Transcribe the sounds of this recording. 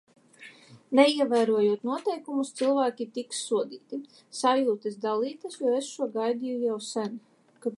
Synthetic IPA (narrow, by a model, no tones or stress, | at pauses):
nɛiɛvæjɾuɔjuɔt̪nuɔt̪ɛjkumust̪silˠvæːkʲit̪iksːuɔd̪iːt̪i | savjuːt̪ɛsd̪alˠiːt̪asjɔːesʃuɔɡajd̪ijujawsæn | ka